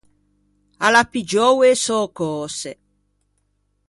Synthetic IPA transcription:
alapid͡ʒɔwesɔːkɔːse

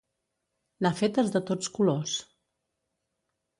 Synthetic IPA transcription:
ləfet̪ezðət̪ot͡skulos

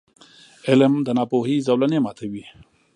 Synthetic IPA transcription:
eləmd̪ənɑːpoɦizɐwlɐnemɑːt̪ʰewi

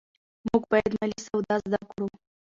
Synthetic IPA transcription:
muɡpɑjɛd̪malisawd̪ɑzd̪akɽu

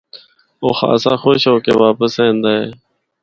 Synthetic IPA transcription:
oːxa̰ːsaːxoːʃɦoːkeːʋaːpəsẽːnd̪aːɦeː

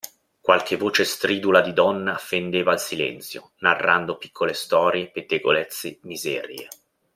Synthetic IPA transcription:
kwalk̟ʰevːoːt͡ʃest̪ɾiːd̪ulad̪id̪ɔnːafend̪eːvaːlsilɛ̰nt̪sjo̰ | narːand̪opi̥kʰːolest̪ɔːɾjepet̪ːeɡo̰let̪sːemizɛ̰ːɾjḛ

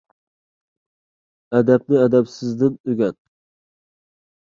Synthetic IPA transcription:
ɛd̪ɛp̚nɪɛd̪ɛpsɪzd̪ɪnøɡʲɛt̪̚

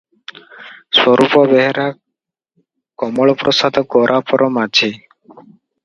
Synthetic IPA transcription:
swɔɾʔupɔbɛɦɾa | kɔmɔɭɔpɾɔsad̪ɔɡɔɾʔapɔɾʔɔmat͡ʃʰi

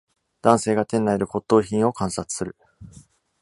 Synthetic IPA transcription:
d̪̥ãɰ̃se̞ːɡat̪ẽ̞nːaeɾɯ̟ko̞t̪ːo̞ːçĩɰ̃o̞kãɰ̃sat͡sɨ̥sɨɾɯ̟

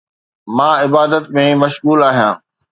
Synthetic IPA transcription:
mãːɪbaːd̪ət̪mẽmɐʃɣuːlaːɦijãː

